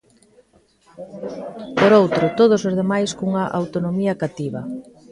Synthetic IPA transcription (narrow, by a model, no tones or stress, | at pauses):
poɾowt̪ɾʊt̪oð̞ʊsozðemajskuŋɐʔa̰wt̪onomiɐkat̪iβɐ